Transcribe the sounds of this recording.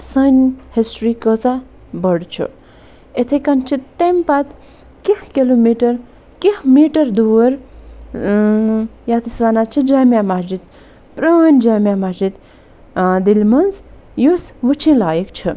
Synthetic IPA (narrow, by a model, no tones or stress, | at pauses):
sənhisʈɾikəza | bəɽt͡ʃʰṵ | et̪ʰekɐnt͡ʃʰit̪t̪empat̪ | kehkelumiʈɐɾ | kehmiʈɐɾd̪uːəɾ | jat̪isʋanat͡ʃʰid͡ʒaːmjamad͡ʒit̪ | pɾanʲd͡ʒaːmjamad͡ʒit̪ | d̪ilmɐnzjosʋut͡ʃʰĩlaːjekt͡ʃʰi